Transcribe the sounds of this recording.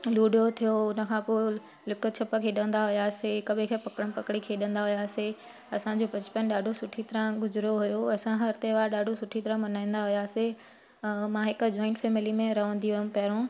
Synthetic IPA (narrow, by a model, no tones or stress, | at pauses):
luːɖijot̪ʰijoʊnə̆kʰãːpoː | lʊkʊ̆t͡ɕʰɐpəkʰeːɗə̃nd̪aɦʊjaːsekɐbʱkʰepɐkɽənɪpɐkɽikʰeːɗə̃nd̪aɦʊjaːse | ɐsãd͡ʑoːpɐt͡ɕɪ̥pənɗaːɖʱosʊʈʰit̪ɐɾãɡʊzɪɾoɦʊjoɐsãɦɐɾt̪eʋaːɾɗaːɖʱosʊʈʰit̪ɐɾəãmɐnaːĩːn̆d̪aɦʊjaːse | mãːɦɪkd͡ʑɔːɪ̃ɳʈfɛːmɪlimẽɾɐʋə̃nd̪iɦʊɦm̆pɐɦɪɾõː